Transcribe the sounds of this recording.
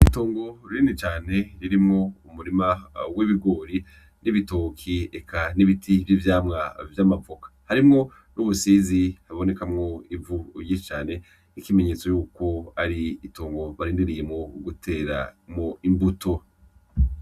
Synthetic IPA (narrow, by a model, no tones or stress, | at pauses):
itoːŋɡo̞ɾiɾiːndit͡ʃaːne̞ɾiɾimŋoumuɾimawiβiɡo̞ːɾi | niβitokʰiekaniβitʰivivjaːmŋavjamavokḁhaɾimŋo̞ | nʔuβusizihaβo̞ne̞kamŋo̞ivuiʃit͡ʃaːne̞ | ikime̞ɲeːt͡so̞juːko̞aɾiitʰoːŋɡo̞βaɾiːndiɾije̞mŋo̞ɡutʰe̞ːɾa̰moimbutʰo̞